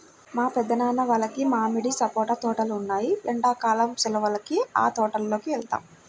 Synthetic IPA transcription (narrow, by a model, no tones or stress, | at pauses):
maːpɛd̪ːɐnaːnɐʋaːlɐkimaːmiɽisɐpɔːʈaːt̪ɔːʈɐlunːaːjiɐɳɖaːkaːlɐmt͡ʃɛlɐʋɐlɐkia̰ːt̪ɔːʈɐlːo̞ːkiʋɛɭt̪a̰ːm